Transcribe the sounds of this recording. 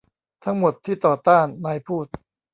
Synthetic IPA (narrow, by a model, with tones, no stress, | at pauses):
t̪ʰa˦˥ŋmo˨˩t̪ʰːiː˥˩t̪ɔː˨˩t̪aː˥˩nːaː˧jpʰuː˥˩t̪̚